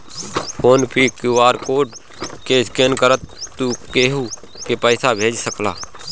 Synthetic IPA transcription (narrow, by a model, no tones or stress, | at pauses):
koːnpʰikuaːɾkoːɖ | keɪskeːnkəɾət̪ːukeɦu | kepəːsabʱeːd͡ʒsəkla̰ː